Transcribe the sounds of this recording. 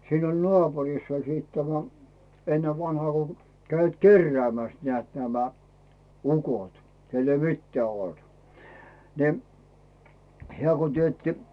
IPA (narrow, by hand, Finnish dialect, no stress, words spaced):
siːn olʲ nŏɑˑpurisː olʲ siːt tæmæ enːeʋ ʋɑnhɑː ko kæiʋæt kerːĕæˑmæs nĭæˑt næmæ ukot kelː ei mitːĕæˑ olt ni hĕæˑ ko tietːi